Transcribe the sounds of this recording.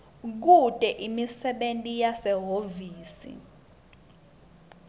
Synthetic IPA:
k̬utʼɛʔimisɛɓentʼijasɛɦoviːsḭ

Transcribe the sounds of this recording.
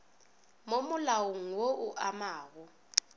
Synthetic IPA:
momʊlawuŋ̩woʔuʔamaːɣu

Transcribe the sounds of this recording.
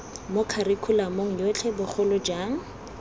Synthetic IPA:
mʊkʰarɪkʰʊlamoŋ̩jot͡ɬʰɛbʊχʰʊlʊd͡ʒaːŋ̩

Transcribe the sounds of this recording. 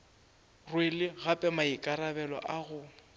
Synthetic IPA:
rwelɪɣapʼɛmaɪkʼaɾabɛlɔ̰ʔaɣʊ

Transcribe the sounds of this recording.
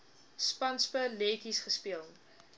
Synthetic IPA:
spɐnspəleːkisχəspeəlˠ

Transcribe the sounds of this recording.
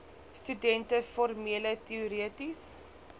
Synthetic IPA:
stydɛntəfɔrmiələtiɔɾiətis

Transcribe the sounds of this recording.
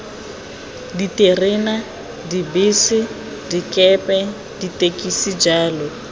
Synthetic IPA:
ditʼerena | dibiːsɪ | dikʼɛpʼɛ | ditʼekʼisid͡ʒaːlɔ

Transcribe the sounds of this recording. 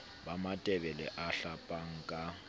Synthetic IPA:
bamatʼɛbɛlɛʔaɬapʼaŋ̩kʼa

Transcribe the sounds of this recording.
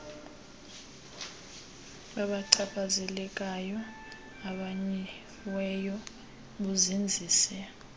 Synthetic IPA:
ɓaɓaǀʰaɓʰazɛlɛk̬ʼajɔ | aɓaɲɛ | wɛjɔ | ɓuzind͡zʱiːsɛ

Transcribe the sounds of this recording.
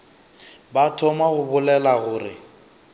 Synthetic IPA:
batʰɔmaɣʊbʊlɛlaɣʊːrɪ

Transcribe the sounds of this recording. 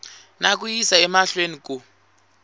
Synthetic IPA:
nak̬ujisaɛmaɬwenik̬u

